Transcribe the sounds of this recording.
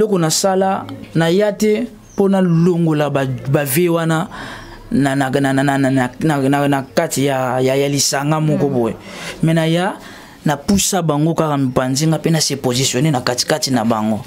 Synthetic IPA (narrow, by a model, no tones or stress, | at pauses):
elɔkɔnasalanajatɛ | ponaloŋɡolabavewana | nanaananananakatijajajalisaŋɡamɔkɔbojḛmɛnaja | napusabaŋɡokakamipanziŋɡapenasepozisjonenakati̥katinabaŋɡo